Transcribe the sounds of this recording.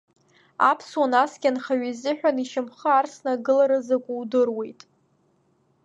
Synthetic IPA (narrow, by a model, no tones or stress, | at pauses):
apʰswanasɡʲanχaɥizɨħᶣaniʃɪmχəarsnaɡɨlaɾɨzakʷʼuwdɨrwe̞jtʼ